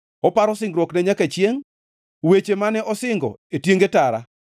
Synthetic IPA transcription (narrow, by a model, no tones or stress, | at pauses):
ɔpaɾɔsɪŋɡɾwoknɛɲakat͡ʃjeŋ | wet͡ʃemanɛʔɔsɪŋɡɔetjeŋɡetaɾa